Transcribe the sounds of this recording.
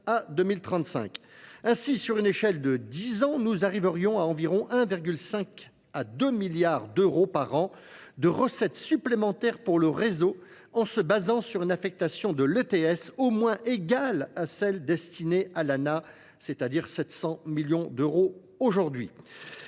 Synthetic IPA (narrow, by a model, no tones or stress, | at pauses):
ad̪ømilt̪χɑ̃t̪sɛ̰̃kɛ̃sisyʁyneʃɛld̪əd̪izɑ̃nuzaʁivəʁjɔ̃aɑ̃viʁɔ̃ʔɛ̃viʁɡʲylsɛ̃k | ad̪ømiljaʁd̪øʁopaʁɑ̃ | d̪əʁəsɛt̪syplemɑ̃t̪ɛʁpuʁləʁezo | ɑ̃səbazɑ̃syʁynafɛk̚t̪asjɔ̃d̪əløt̪eɛsomwɛ̃ʔeɡalasɛld̪ɛst̪inealana | set̪ad̪iʁsɛt̪sɑ̃miljɔ̃d̪øʁo | oʒuʁd̪ɥi